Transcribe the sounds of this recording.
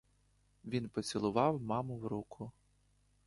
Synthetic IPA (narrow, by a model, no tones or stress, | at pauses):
ʋʲinpɔt͡sʲilˠʊʋɑwmɑmʊwɾukʰʊ